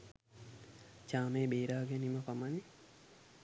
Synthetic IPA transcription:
t͡ʃaːmeːbeːɾaːɡeniməpamani

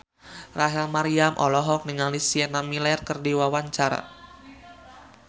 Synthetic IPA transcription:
raɦɛlmaɾiamʔɔlɔɦɔk̚niŋalisiɛnamilɛrkərdiwawaɲt͡ʃaɾa̰

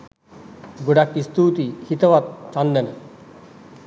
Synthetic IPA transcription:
ɡuɖakːist̪ut̪ihit̪ɐʋat̪̚t͡ʃanːen

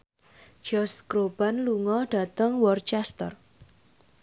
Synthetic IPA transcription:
d͡ʒ̥ɔskɾob̥a̤nluŋɔɖ̥ä̤t̪əŋwɔrt͡ʃɛst̪ə̰r

